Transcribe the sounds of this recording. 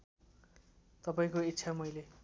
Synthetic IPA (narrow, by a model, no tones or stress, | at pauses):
t̪ʌpaĩkoit̪ːsʰamʌjle